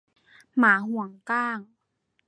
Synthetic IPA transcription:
maː˩˦ɦu˨˩˦əŋkaː˥˩ŋ

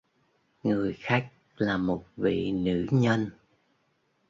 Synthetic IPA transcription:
ŋɨ˨˩əjxaː˦˥k̚ | laː˨˩mo˨˩t̚vḭ˧˨nɨ̰˧˥ɲə˧n

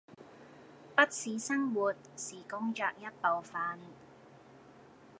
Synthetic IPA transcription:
pɐ˥t̚siː˨˥sɐ˥ŋwuː˨t̚siː˨˩kʊ˥ŋt͡ʃœː˨˩k̚jɐ˥t̚po˨wfaː˧n

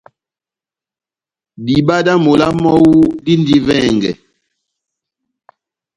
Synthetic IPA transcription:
bi˨ba˦da˦mo˨la˦mɔ˦wu˦di˦n˦di˦vɛ˦˨ŋɡɛ̰˨

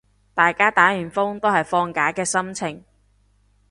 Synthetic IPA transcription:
t̪aː˨jkaː˥t̪aː˨˥jyː˨˩nfʊ˥ŋt̪o˥whɐ˨jfɔː˧ŋkaː˨˥kɛː˧sɐ˥mt͡sʰɪ˨˩ŋ

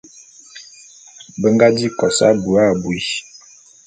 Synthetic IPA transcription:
bə˦ŋɡa˦di˦kɔ˨sa̰˦bu˨a˦˨bwi˨

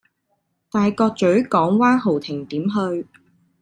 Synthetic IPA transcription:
t̪aː˨jkɔː˧k̚t͡ʃɵ˨˥ɥkɔː˨˥ŋwaː˥nɦo˨wt̪ʰɪ˨˩ŋt̪iː˨˥mɦɵ˧ɥ

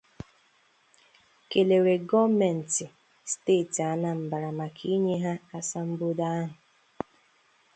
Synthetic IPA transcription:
ke˨le˨ɾe˨ɡɔ˦mɛ˨n̩˨tɪ˨ | steː˦˨ta˨na˦m̩˨ba˨ɾa˨ma˨kʰi˦ɲe˦ɦa˦a˦sa˦m̩˦bʊ˦da˦a˦ɦʊ˨

